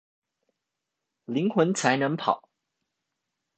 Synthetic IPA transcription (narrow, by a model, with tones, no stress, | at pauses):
li˧˥ŋxwə˧˥nt͡sʰa˧˥ɪnɤ˧˥ŋpʰɑ˨˩˦